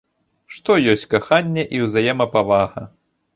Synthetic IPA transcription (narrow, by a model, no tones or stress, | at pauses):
ʂt̪ɔjɔsʲt͡sʲkaxanʲːɛʔiwzajɛmɐpavaɣɐ̰